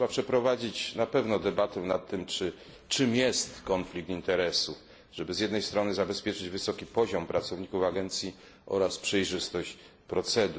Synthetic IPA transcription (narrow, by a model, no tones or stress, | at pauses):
ʂɛbapʂɛpɾɔvad͡ʑit͡ɕnapɛvnɔd̪ɛbat̪ɛ̃na̰t̪ːɘmt͡ʂɘ | t͡ʂɘmjɛst̪kɔnflʲik̚t̪int̪ɛɾɛsu | ʐ̥ɛbɘzʲjɛd̪nɛjst̪ɾɔnɘzabɛspʲjɛt͡ʂɘd͡ʑvɘsɔkʲipɔʑɔmpɾʔat̪sɔvɲikufaɡɛnt̪sʲji | ʔɔ̰ɾaspʂɛjʐɘst̪ɔɕt͡ɕ | pɾɔt̪sɛd̪u